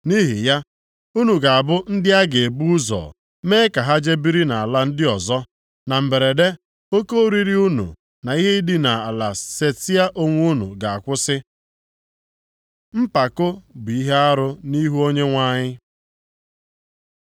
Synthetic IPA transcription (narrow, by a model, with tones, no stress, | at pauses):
ni˦ɦi˨ja˦ | u˦nu˨ɡa˨a˨bʊ˦n̩˦dɪ˦a˦ɡe˨e˨bu˦zɔ̰ː˨ | meː˦ka˨ɦa˦d͡ʒe˦bi˦ɾi˦na˨a˨la˦n̩˦dɪ˦ɔ˨zɔ˦ | na˨m̩˨be˨ɾe˨de˦ | o˦ko˦ɾi˦ɾi˦u˦nṵ˨ | na˨i˦ɦe˦i˦dɪ˦na˨a˨la˨se˦ti˦a˦ʔo˦ŋʷ˦u˦nṵ˨ɡa˨a˨kʷʊ˦sɪ˦ | m̩˦pa˨kʊ˦bi˨i˦ɦe˦a˦ɾʊ˦ni˦ɦu˦o˦ɲe˦ŋʷa˦ɲɪ˦